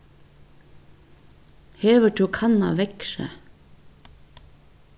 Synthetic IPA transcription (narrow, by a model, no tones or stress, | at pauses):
heːʋəʈʰuːkʰɑnɑ̰ʋɛkʃə̰